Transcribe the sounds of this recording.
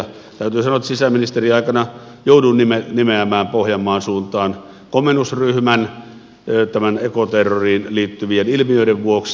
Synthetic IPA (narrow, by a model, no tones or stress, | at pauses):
t̪æˑyt̪yːsɑnoet̪ːˑsisæminist̪eriɑˑikɑnɑ | joˑuduːnimenimeæmæːmpohjɑmˑɑːnsuːnt̪ˑɑːn | komenusryhmæn | t̪æmænekot̪erːoriːnliːt̪ːyʋienilmijøˑideʋʋuoks